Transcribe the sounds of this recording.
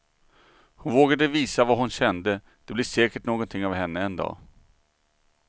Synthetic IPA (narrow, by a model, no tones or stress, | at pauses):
hʊnvoːɡad̪əviːsavaɦʊnɕɛnd̪ə | d̪̥ɛblɪʂɛːkəʈnoːɡɔnt̪ʰɪŋːavɦɛnːəɛnd̪ɑ̰ː